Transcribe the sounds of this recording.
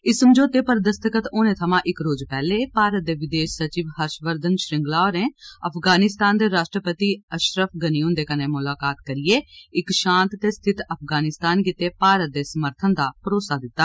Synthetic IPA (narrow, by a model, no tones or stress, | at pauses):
ɪsəmd͡ʒoːt̪eːpəɾd̪əst̪əkət̪oːnẽːt̪ʰəmãːʔɪkɾoːd͡ʒpɛːleːpaːɾət̪̚d̪eːʋɪd̪eːʃsət͡ʃiːʋhəɾʃʋəɾd̪ənʃɾɪ̃ŋɡlaːɔːɾẽːəpʰɡaːnɪst̪aːnd̪eːɾaːʃʈɾəpət̪iːəʃɾəpʰɡəniːʊ̃nd̪eːkəneːmʊlaːkaːt̪kəɾɪjeːɪkʃãːnt̪ːeːst̪ʰɪt̪əpʰɡaːnɪst̪aːnkɪt̪eːpaːɾət̪̚d̪eːsəməɾt̪ʰənd̪aːpəɾoːsaːd̪ɪt̪ːaː